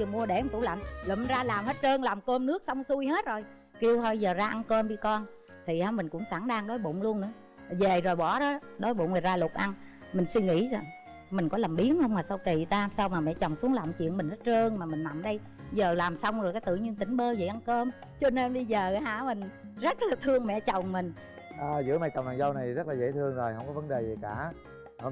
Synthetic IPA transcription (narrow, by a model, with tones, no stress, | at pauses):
t͡ɕɨ˨˩əmu˧əɗe˧˩˨ŋ͡mt̪u˧˩la̰˨˩mləː˨˩mi˨˩nzaː˧laː˨˩mhe˦˥t̚t͡ɕəː˧nlaː˨˩mkəː˧mnɨ˦˥ək̚sa˧wŋ͡msu˧əjɦe˦˥t̚zo˨˩j | ki˧əwh̪ʰɔ˧zəː˨˩zaː˧ʔa˧nkəː˧mɗi˧kɔ˧n | t̪ʰi˨˩ha˨˧mï˨˩ŋ̟kʊ̰˧˥ŋ͡msaː˧˩ŋɗaː˧ŋɗo˨˦jɓo̰˧˨nlu˧ənɨ̰˧˥˦ə˨ | ze˨˩zo˨˩jɓɔ˧˩˦ɗɔ˨˦ɗo˨˦jɓo̰˧˨nvə˨˩zaː˧lʊ˨˩k͡p̚ʔa˧n | mi˨˩ŋ̟swi˧ŋḭ˧˥z | mi˨˩ŋ̟kɔ˨˦laː˨˩mɓi˨˦ənhə˧wŋ͡mmaː˨˩sa˧wki˨˩˨t̪aː˧saː˧wmaː˨˩mɛ̰˧˨t͡ɕɔ˨˩wŋ͡msu˨˦ŋla˨˩wŋ͡mt͡ɕḭ˧˨ənmï˨˩ŋ̟zə˦˥t̚zəː˧nmaː˨˩mï˨˩ŋ̟na˨˩˨mɗə˧j | zəː˨˩laː˨˩msa˧wŋ͡mzjka˨˦t̪ɨ̰˧˨ɲi˧ŋt̪ï˧˩˦ŋ̟ɓəː˧zḛ˨˩ʔa˧nkəː˧m | t͡ɕɔ˧ne˧nɓə˧jzəː˨˩˨haː˧˨˥mï˨˩ŋ̟ | zə˦˥t̚laː˨˩t̪ʰɨ˧əŋmɛ̰˧˨t͡ɕə˨˩wŋ͡mmï˨˩ŋ̟ | ʔəː˨˩zɨ̰˧˥əma˧jt͡ɕɔ˨˩wŋ͡mna̰ː˨˩jzə˧wna˨˩jzə˦˥t̚laː˨zḛ˧˥t̪ʰɨ˧əŋzo˨˩jhə˧wŋ͡mkɔ˨˦və˨˦nɗe˨˩zi˨˩kaː˧˩ | hə˧